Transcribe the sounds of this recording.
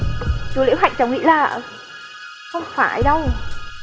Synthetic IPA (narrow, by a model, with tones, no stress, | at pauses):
su˨˦lḭ˧˥wɦa̰˧˨jŋ̟t͡ɕa˨˦wŋḭ˧˥laː˨˩ | xə˧wŋ͡mfaː˧˩jɗə˧w